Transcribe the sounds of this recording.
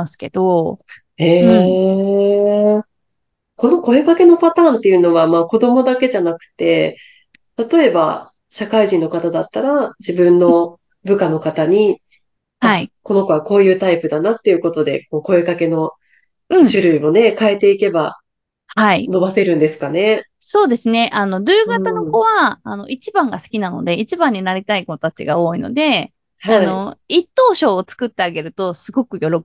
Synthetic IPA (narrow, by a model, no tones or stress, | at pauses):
sɨ̥ke̞d̪o | e̞ː | ko̞no̞ko̞e̞kake̞no̞pat̪ãːnt̪ːe̞jɯ̟no̞βamaːko̞d̪o̞mo̞d̪ake̞ʑanakɯ̟̥t̪e̞ | t̪at̪o̞e̞ba̰ | ɕakaiʑĩnːo̞kat̪ad̪at̪ːaɾad͡ʑibɯ̟̃nːo̞ | bɯ̟kano̞kat̪aɲ̟i | aaiko̞no̞ko̞βako̞ːjɯ̟ːt̪aipɯ̟d̪anat̪ːe̞jɯ̟ko̞t̪o̞d̪e̞̰koːko̞e̞kake̞no̞ | ɯ̟̃ɴɕɨɾɯ̟io̞ne̞kae̞t̪e̞ike̞ba | haino̞base̞ɾɯ̟̃nd̪e̞sɨ̥kaneso̞ːd̪e̞sɨne̞ʔano̞ɾʲɯːɡat̪ano̞ko̞βaːno̞̰ʔit͡ɕibãŋɡasɨ̥kʲinano̞̰d̪e̞it͡ɕibãɲ̟ːinaɾʲit̪aikot̪at͡ɕḭɡao̞ːino̰d̪e̞ | haino̞it̪ːo̞ːɕo̞ːt͡sɨ̥kɯ̟t̪ːe̞aɡe̞ɾɯ̟t̪o̞sɨɡo̞kɯ̟jo̞ɾo